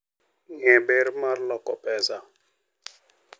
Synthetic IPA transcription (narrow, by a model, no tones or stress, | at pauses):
ŋɛ̃beɾmaɾlɔkɔpɛza